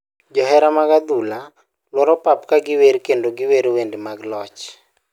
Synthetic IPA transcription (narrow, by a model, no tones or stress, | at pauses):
d͡ʒɔɦɛɾamaɡad̪ula | lwɔɾɔpapkaɡɪweɾkendoɡɪweɾwendemaɡlɔt͡ʃ